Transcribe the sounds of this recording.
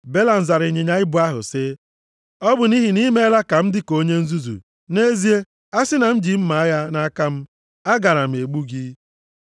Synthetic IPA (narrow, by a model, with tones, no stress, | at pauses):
be˦la˨n̩˨za˨ɾɪ˨ɲe˨ɲa˦ɪ˦bʊ˨˦a˦ɦʊ̰˨sɪ˦ | ɔ˦bʊ˨ni˦ɦi˨ni˦me˦la˦ka˨m̩˦dɪ˦ko˦ɲe˦n̩˦zu˦zṵ˨ | ne˦zi˦e˦ | a˦sɪ˦na˨m̩˦d͡ʒi˨m̩˦ma˨a˦ja˦na˦ka˦m̩˦ | a˦ɡa˨ɾa˨m̩˨e˨ɡ͡bu˦ɡi˦